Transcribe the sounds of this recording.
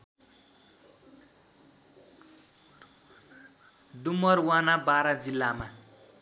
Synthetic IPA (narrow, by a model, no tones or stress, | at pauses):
d̪umʌrwanabaɾʌd͡zilːama